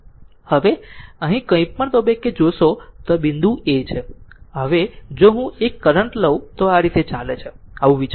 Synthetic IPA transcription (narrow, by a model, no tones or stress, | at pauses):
həʋeəɦĩkə̃ĩpəɳ̃t̪obekːed͡ʒoʃot̪obind̪ʱũet͡ʃʰeɦəʋed͡ʒoɦũekːəɾəɳʈləũt̪oaɾit̪et͡ʃalet͡ʃʰeaʋũʋit͡ʃ